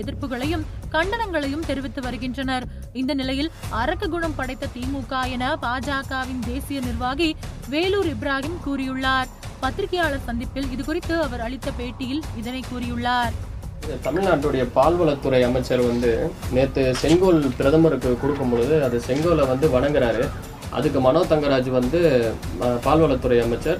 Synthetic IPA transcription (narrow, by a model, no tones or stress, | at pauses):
ɛðɪɾpɯɣɐɭɐjɯmkɐɳɖɐnɐŋɡɐɭɐjɯmt̪ɛɾɪʋɪt̪ːɯʋɐɾɯɣɪndrɐnɐɾ | ɪnd̪ɐnɪlɐjɪlɐɾɐkːɐɡʊɳɐmpɐɽɐɪt̪ːɐt̪iːmuːkaːjɐnɐpaːd͡ʒaːkaːʋɪnd̪eːsɪjɐnɪrʋaːɣiʋeːluːɾɪbɪɾaːɣɪmkuːɾɪjɯɭːaːɾ | pɐt̪ːɪɾɪkːɐjaːɭɐɾsɐnd̪ɪpːɪlɪðɯkʊrɪt̪ːɯɐʋɐɾɐɭɪt̪ːɐpeːʈːɪjɪlɪðɐnɐɪkːuːɾɪjɯɭːaːɾt̪ɐmɪɻnaːʈrɯɽɐjɐpaːlʋɐɭɐt̪ːɯɾɐɪɐmɐɪt͡ʃːɐɾʋɐnd̪ɯneːt̪ːɯsɛŋɡoːlpɪɾɐðɐmɯɾɯkːɯkʊɽɯk̬ːɯmbɔɭɯðɯɐðɯsɛŋɡoːlɐʋɐnd̪ɯʋɐɳɐŋɡɪɾaːɾɯ | ʔɐ̰ðɯkːɯmɐnoːt̪ɐŋɡɐɾaːd͡ʒɯʋɐnd̪ɯ | paːlʋɐɭɐt̪ːɯɾɐɪɐmɐɪt͡ʃːɐɾ